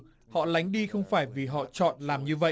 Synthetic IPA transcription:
hɔ̰˧˨la˨˦jŋ̟ɗi˧xə˧wŋ͡mfaː˧˩jvi˨˩ɦɔ̰˧˨t͡ɕɔ̰˧˨nlaː˨˩mɲɨ˧və̰˧˨

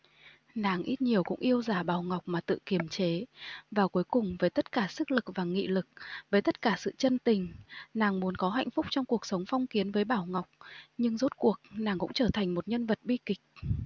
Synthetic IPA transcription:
naː˨˩ŋʔi˦˥t̚ɲi˨˩əwkʊ̰˧˥ŋ͡mʔi˧əwzaː˧˩ɓaː˧˩wŋa˨˩wk͡p̚maː˨˩t̪ɨ̰˧˨ki˧˩əmt͡ɕe˨˦vaː˨˩wku˨˦jkʊ˨˩ŋ͡mvəː˨˦jt̪ə˦˥t̚kaː˧˩sɨ˦˥k̚lɨ˨˩k̚vaː˨˩ŋḭ˧˨lɨ˨˩k̚vəː˨˦jt̪ə˦˥t̚kaː˧˩sɨ̰˧˨t͡ɕə˧nt̪ï˨˩ŋ̟naː˨˩ŋmu˨˦ənkɔ˨˦ɦa̰˧˨jŋ̟fʊ˦˥k͡p̚t͡ɕɔ˧wŋ͡mku˨˩ək̚sə˨˦wŋ͡mfɔ˧wŋ͡mki˨˦ənvəː˨˦jɓaː˧˩wŋa˨˩wk͡p̚ɲɨ˧ŋzo˦˥t̚ku˨˩ək̚naː˨˩ŋkʊ̰˧˥ŋ͡mt͡ɕəː˧˩t̪ʰa˨˩jŋ̟mo˨˩t̚ɲə˧nvə˨˩t̚ɓi˧kï˨˩k̟̚

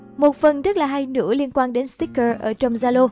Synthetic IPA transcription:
mo˨˩t̚fə˨˩nzə˦˥t̚laː˨˩ɦa˧jnɨ̰˧˩˥əli˧ənkwaː˧nɗe˨˦nst̪i˦˥kəː˧˩ʔəː˧˩t͡ɕə˧wŋ͡mzaː˧lo˧

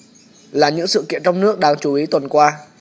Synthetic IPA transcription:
laː˨˩ɲɨ̰˧˥ŋsɨ̰˧˨kḭ˧˨ənt͡ɕɔ˧wŋ͡mnɨ˦˥ək̚ɗaː˧ŋt͡ɕu˧˩ʔi˨˦t̪wə˨˩nkwaː˧

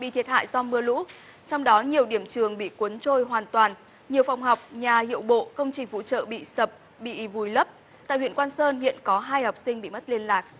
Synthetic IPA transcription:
ɓḭ˧˨t̪ʰi˨˩ət̚ha̰ː˧˨jzɔ˧mɨ˧əlṵ˧˥ | t͡ɕɔ˧wŋ͡mɗɔ˨˦ɲi˨˩əwɗi˧˩əmt͡ɕɨ˨˩əŋɓḭ˧˨ku˨˦nt͡ɕo˧jɦwaː˨˩nt̪waː˨˩n | ɲi˨˩əwfa˨˧˩wŋ͡mɦɔ˨˩wk͡p̚ɲaː˨˩hḭ˧˨əwɓo̰˧˨kə˧wŋ͡mt͡ɕï˨˩ŋ̟vṵ˧˥t͡ɕə̰ː˧˨ɓḭ˧˨sə˨˩p̚ | ɓḭ˧˨vu˨˩jlə˦˥p̚ | t̪a̰ː˧˨jhwḭ˧˨ənkwaː˧nsəː˧nhḭ˧˨ənkɔ˨˦ɦaː˧jha˨˩wk͡p̚sï˧ŋ̟ɓḭ˧˨mə˦˥t̚li˧ənlaː˨˩k̚

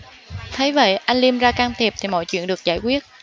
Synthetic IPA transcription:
t̪ʰə˨˦jvḛ˧˨jʔa˧jŋli˧əmzaː˧kaː˧ŋt̪ʰi˨˩əp̚t̪ʰi˨˩mɔ̰˧˨jt͡ɕwḭ˧˨nɗɨ˨˩ək̚za̰ː˧˩jkwi˦˥ət̚

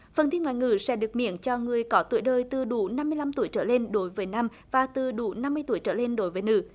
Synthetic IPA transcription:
fə˨˩t̪i˧nŋwaː˧˨jŋɨ̰˧˨˩sɛ̰˧˥ɗɨ˨˩ək̚mḭ˧˨ənt͡ɕɔ˧ŋɨ˨˩əjkɔ˨˦t̪ṵ˧˩əjɗəː˧˩jt̪ɨ˨˩ɗṵ˧˩na˧mːɨ˧əjla˧mt̪u˧˩əjt͡ɕəː˧˩le˧nɗo˨˦jvəː˨˦jna˧m | vaː˨˩t̪ɨ˨˩ɗṵ˧˩˦na˧mːɨ˧ət̪u˧˩əjt͡ɕəː˧˩le˧nɗo˨˦jvəː˨˦jnɨ̰˧˩

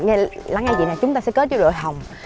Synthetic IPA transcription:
ŋ˧la˨˦ŋːa˧jvḭ˧˨na˨˩t͡ɕʊ˨˦ŋ͡mt̪aː˧sɛ̰˧˥kəː˨˦t͡ɕɔ˧ɗo̰˧˨jɦa˨˩wŋ͡m

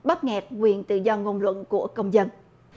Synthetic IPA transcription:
ɓa˦˥t̚ŋɛ˨˩t̚kwi˨˩ənt̪ɨ̰˧˨zɔ˧ŋo˧nlwə̰˧˨nku˧˩əkə˧wŋ͡mzə˧n

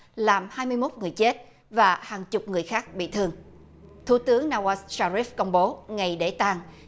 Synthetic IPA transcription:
laː˨˩mhaː˧jmɨ˧əjmo˦˥t̚ŋɨ˨˩əjt͡ɕe˦˥t̚ | vaː˨˩haː˨˩ŋt͡ɕʊ˨˩k͡p̚ŋɨ˨˩əjxaː˦˥k̚ɓḭ˧˨t̪ʰɨ˧əŋ | t̪ʰu˧˩˦t̪ɨ˨˦əŋnaː˧wa˧ssaː˧ɾi˦˥fkə˧wŋ͡mɓo˨˦ŋa˨˩jɗe˧˩t̪aː˧ŋ

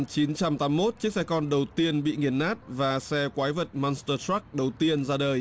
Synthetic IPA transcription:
mt͡ɕi˨˦nt͡ɕa˧mt̪aː˨˦mːo˦˥t̚t͡ɕɨ˦˥ək̚sɛ˧kɔ˧nɗə˨˩wt̪i˧ənɓḭ˧˨ŋi˨˩ənʔaː˦˥t̚vaː˨˩sɛ˧kwaː˨˦jvə˨˩t̚mɔ˧nst̪əː˧t̪a˦˥k̚ɗə˨˩wt̪i˧ənzaː˧ɗəː˨˩j

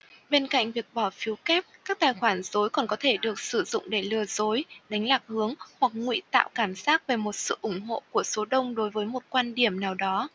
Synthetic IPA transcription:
ɓe˧nka̰˧˨ŋ̟vi˨˩ək̚ɓɔ˧˩fi˨˦wkɛ˦˥p̚kaː˦˥k̚t̪aː˨˩jxwaː˧˩nzo˨˦jkɔ˨˩nkɔ˨˦t̪ʰe˧˩ɗɨ˨˩ək̚sɨ˧˩zʊ̰˧˨ŋ͡mɗe˧˩lɨ˨˩əzo˨˦jɗa˨˦jŋ̟laː˨˩k̚hɨ˨˦əŋhwa˨˩k̚ŋwḭ˧˨t̪a̰ː˧˨wkaː˧˩mzaː˦˥k̚ve˨˩mo˨˩t̚sɨ̰˧˨ʔʊ˧˩ŋ͡mɦo̰˧˨ku˧˩əso˨˦ɗə˧wŋ͡mɗo˨˦jvəː˨˦jmo˨˩t̚kwaː˧nɗi˧˩əmnaː˨˩wɗɔ˨˦

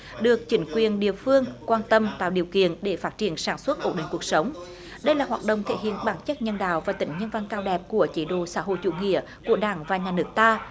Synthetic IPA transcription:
ɗɨ˨˩ək̚t͡ɕï˨˦ŋ̟kwi˨˩ənɗḭ˧˨əfɨ˧əŋkwaː˧nt̪ə˧mt̪a̰ː˧˨wɗi˨˩əwkḭ˧˨ənɗe˧˩faː˦˥t̚t͡ɕi˧˩ənsaː˧˩nswə˦˥t̚ʔo˦˥t̚ɗï˨ŋ̟ku˨˩ək̚sə˨˦wŋ͡m | ɗə˧jlaː˨˩ɦwaː˨˩t̚ɗo̰˧˨wŋ͡mt̪ʰḛ˧˩hḭ˧˨ənɓaː˧˩nt͡ɕə˦˥t̚ɲə˧nɗa̰ː˧˨wvaː˨˩t̪ï˧˨˦ŋ̟ɲə˧nva˧nkaː˧wɗɛ˨˩p̚ku˧˩ət͡ɕi˧˦ɗo̰˧˨saː˧˥ɦo̰˧˨jt͡ɕṵ˧˥ŋḭ˧˨ə | ku˧˩əɗaː˧˩ŋvaː˨˩ɲaː˨˩nɨ˦˥ək̚t̪aː˧

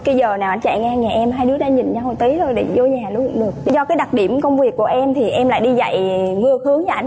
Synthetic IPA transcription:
kaː˧˨˦jzəː˨˩naː˨˩ʔa˧˩n̟t͡ɕa̰ː˧˨jŋa˧ŋaː˨˩ʔɛ˧mɦaː˧jɗɨ˨˦əɗaː˧ɲï˨˩ŋ̟t͡ɕaː˧ho̰˧˨jt̪i˨˦t̪ʰo˧jɗḛ˧˩zo˧ɲaː˨˩lu˧˦kʊ̰˧˩ŋ͡mɗɨ˨˩ək̚ɗzɔ˧kaː˨˦jɗa˨˩t̚ɗi˧˩əmkə˧wŋ͡mvi˨˩əkːu˧˩əʔɛ˧mt̪ʰi˨˩ʔɛ˧mla̰ː˧˨jɗi˧za̰˧˨jŋɨ˧əhɨ˨˦əŋɲa˧˨a˧˩˦

